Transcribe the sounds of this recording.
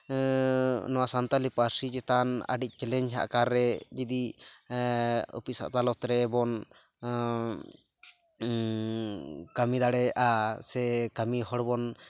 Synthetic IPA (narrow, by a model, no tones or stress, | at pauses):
nɔwasant̪alipaɾsid͡ʒɛt̪ana̰ɖic̚t͡ʃɛlɛɲɦa̰ʔkaɾːɛd͡ʒid̪i | ṵpisa̰ʔt̪alɔt̪ɾɛbɔn | kamid̪aɽɛʔasɛkamiɦɔɽbɔn